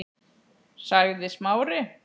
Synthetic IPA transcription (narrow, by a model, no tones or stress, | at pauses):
saɣðɪsmaːwɾɪ